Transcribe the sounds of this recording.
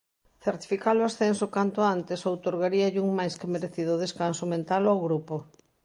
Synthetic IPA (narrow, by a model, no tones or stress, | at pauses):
θeɾt̪i̥fikaloasθɛnsokant̪oant̪ɪsowt̪oɾɣaɾiɐʎuŋmajskɪmeɾeθiðʊðeskansomẽnt̪alawɣɾupo